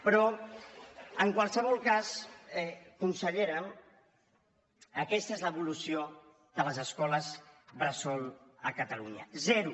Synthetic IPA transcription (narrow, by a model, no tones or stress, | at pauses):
pɾɔ | əŋkwalˠsəβ̞ɔlˠkasɛkunsəʎeɾən | əkɛst̪əezləβulusio | ðələzəskɔləzβɾəsɔlˠəkət̪əluɲə̰zɛɾu